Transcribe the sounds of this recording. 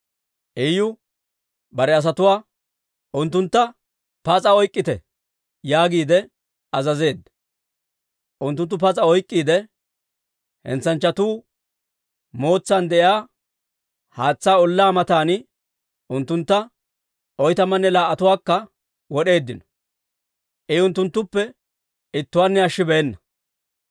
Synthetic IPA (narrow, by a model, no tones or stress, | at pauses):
ʔɛjʊ | bɐɾɛɐs̬ɐt̪ʊwaː | ʔʊnt̪ːʊnt̪ːɐ | pɐt͡sʼɐɔjkʼːɪt̪ɛ | jaːɡiːd̪ɛ | ɐzɐze̞ːd̪ːɐ | ʔʊnt̪ːʊnt̪ːʊpɐt͡sʼɐɔjkʼːiːd̪ɛ | hɛ̰nt͡sːɐnt͡ʃːɐt̪uː | mo̞ːt͡sːaːnd̪ɛʔjaː | haːt͡sːaːɔlːaːmɐt̪aːnɪ | ʊnt̪ːʊnt̪ːɐ | ɔjt̪ɐmɐnːɛlaːʔɐt̪ʊwaːkːɐ | wɔɗe̞ːd̪ːɪnɔ̥ | ʔɪʊnt̪ːʊnt̪ːʊpːɛ | ɪt̪ːʊwaːnːɛɐʃːɪbɛɛnːɐ